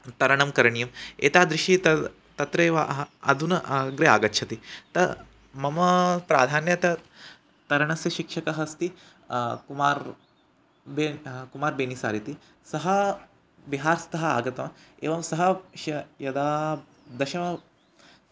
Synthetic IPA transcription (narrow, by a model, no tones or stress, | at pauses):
t̪ɐɾɐɳɐmkɐɾɐɳijɐmḛːt̪aːd̪ɾiʃit̪ɐ | t̪ɐt̪ɾeːʋa̰ɦɐ̰d̪ʱunɐʔɡɾea̰ːɡɐtːʃʰɐt̪it̪ɐ | mɐmɐpɾa̰ːd̪ʱaːnjɐt̪ɐ | t̪ɐɾɐɳɐsjɐʃikʂɐkɐɦɐst̪i | kumaːɾ | beːkumaːɾbeːnisa̰ːɾit̪i | sɐɦɐ | biɦaːɾst̪ɐɦɐa̰ːɡɐt̪ɐmḛːʋɐmsɐɦɐʃɐjɐd̪aː | d̪ɐʃɐmɐ